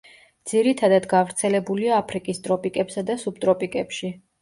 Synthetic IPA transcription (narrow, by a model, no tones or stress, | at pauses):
d̪z̥iɾit̪ʰad̪ad̪ɡavɾt̪sʰɛlɛbuliaːpʰɾikʼist̪ʼɾɔpʼikʼɛpsad̪asub̚t̪ʼɾɔpʼikʼɛpʃi